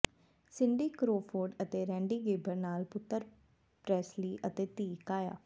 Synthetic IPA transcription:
sɪɳɖiːkɾoːpʰoːɾɖət̪eːɾɛ̃ːɳɖiːɡeːbəɾnaːlpʊt̪ːəɾ | pɾɛːsliːʔət̪eːt̪iːkaːja̰ː

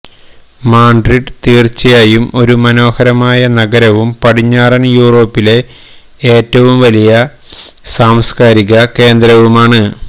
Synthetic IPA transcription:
maːɳɖriʈt̪iːrt͡ɕːɐjaːjumo̞ɾumɐno̞ːhɐɾɐmaːjɐnɐɡɐɾɐʋumpɐɽiɲːaːrɐnjuːro̞ːpːile̞ | eːtːɐʋumʋɐlijɐ | saːmskaːɾiɣɐke̞ːnd̪ɾɐʋumaːɳɨ

